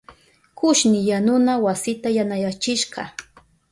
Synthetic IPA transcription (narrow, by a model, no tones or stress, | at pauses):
kʊʃnɪjanʊnawasɪt̪ajanajat͡ʃɪʃɢɑ̰